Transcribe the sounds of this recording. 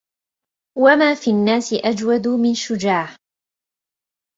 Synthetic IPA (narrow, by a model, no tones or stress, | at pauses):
wamaːfiːnːaːsɪʔad͡ʒwad̪ʊmɪnʃʊd͡ʒaːh